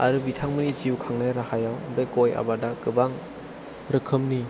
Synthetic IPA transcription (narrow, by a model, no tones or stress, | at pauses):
a̰ɾɯbitʰaŋmɯniziukʰaŋnaɾahajawbeɡoja̰badaɡɯbaŋ | ɾɯkʰɯmni